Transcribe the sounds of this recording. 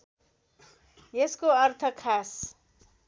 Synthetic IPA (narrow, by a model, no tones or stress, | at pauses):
jeskoʌrt̪ʰʌkʰas